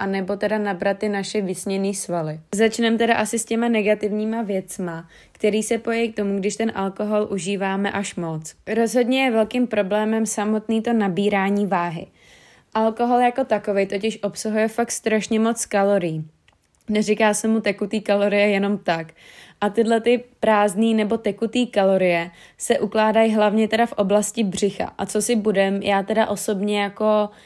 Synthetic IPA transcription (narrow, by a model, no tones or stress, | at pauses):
ʔanɛbo̞t̪ɛdanabɾat̪ːɪnaʃɛvɪsɲɛniːsvalɪzat͡ʃnɛmt̪ɛdaʔasɪscɛmanɛɡat̪ɪvɲiːmavjɛt͡sma | kt̪ɛɾiːsɛpo̞jɛjk̚t̪o̞muɡdɪʃt̪ɛnʔalko̞ɦo̞lʔuʒiːvaːmɛʔaʃmo̞t͡sɾo̞zɦo̞dɲɛjɛvɛlkimpɾo̞blɛːmɛmsamo̞t̪niːt̪o̞nabiːɾaːɲiːvaːɦɪ̰ | ʔalko̞ɦo̞ljako̞t̪ako̞vɛjt̪o̞cɪʃʔo̞psaɦujɛfak̚t̪st̪ɾaʃɲɛmo̞t͡skalo̞ɾɪji | nɛrɪkaːsɛmut̪ɛkut̪iːkalo̞ɾɪjɛjɛno̞mt̪akʔat̪ɪdlɛt̪ɪpɾaːzniːnɛbo̞t̪ɛkut̪iːkalo̞ɾɪjɛ | sɛʔuklaːdajɦlavɲɛt̪ɛdafʔo̞blascɪbr̝ɪxa̰ʔa̰t͡so̞sɪbudɛmjaːt̪ɛdaʔo̞so̞bɲɛjako̞